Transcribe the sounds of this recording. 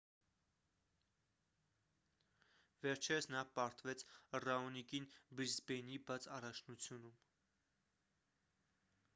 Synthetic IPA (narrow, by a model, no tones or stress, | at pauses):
vɛɾt͡ʃʰɛɾəsnɑpɑɾt̪vɛt͡sʰrɑɔnikinbɾizbɛnibɑt͡sɑrɑt͡ʃʰnut͡sʰjunum